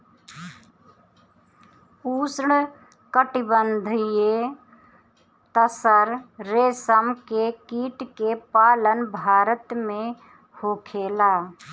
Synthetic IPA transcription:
uːsɳ | kəʈɪbənd̪ʱje | t̪əsəɾɾeːsəmkekiːʈkepaːlənbʱaːɾət̪mẽ | hoːkʰeːlaː

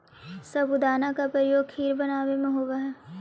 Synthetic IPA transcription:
sɐbʊd̪aːnakapɾɐjoːɡkʰiːɾbɐnaːʋemẽɦoːɡaɦɛː

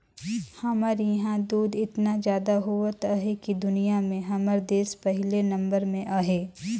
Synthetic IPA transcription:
hɐmaɾjɐɦãd̪uːd̪ɪt̪nazjaːd̪aɦʊat̪aɦekid̪ʊnijamẽɦɐməɾd̪eːspɐɦɪlenɐ̃mbəɾmẽʔaɦeː

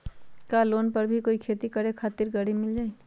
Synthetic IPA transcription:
kaːloːnpɐɾbʱikoːikʰeːt̪ikɐɾekʰaːt̪ɪɾɡɐɽimɪld͡ʒaːi

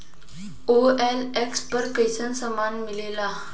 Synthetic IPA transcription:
oɛlekspəɾkejsənsəmanmilela

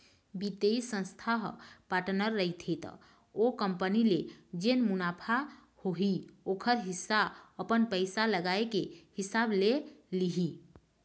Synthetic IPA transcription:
bit̪eisə̃nst̪ʰaɦpaʈnəɾːəit̪ʰet̪ | okəmpəniled͡ʒenmunapʰa | hoɦiokʰəɾɦisːaəpənpəɪjsaləɡaekehisableliɦi

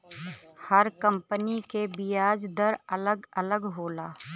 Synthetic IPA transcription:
hɐɾkə̃mpənikebijaːd͡ʒd̪əɾɐləɡɐləɡɦoːlaː

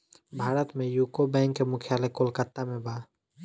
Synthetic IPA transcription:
bʱaːɾət̪mẽjukobɛ̃ːŋkːemʊkʰjaːlekolkət̪ːamẽba

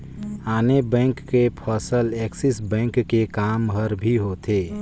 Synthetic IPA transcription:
aːnebɛ̃ːŋkːepʰəsəleksisbɛ̃ŋkːekaːmɦəɾbʱiɦot̪ʰe

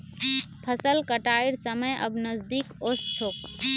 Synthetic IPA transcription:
pʰəsəlkəʈaːiɾsəməjʔə̰bnəzd̪ikost͡ʃʰoːk

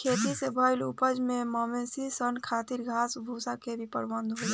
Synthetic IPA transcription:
kʰeːt̪isebʱəɪlupəd͡ʒmẽmɔmesisənkʰaːt̪iɾɡʱaːsbʱuːsakebʱipəɽbə̃nd̪ɦoi

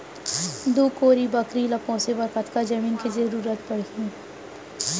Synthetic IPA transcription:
d̪uːkoːɾibɐkɾilɐpõsebəɾkət̪ʰkad͡ʒɐmiːnkizɐɾuːɾət̪pɐɽ̤ɡĩː

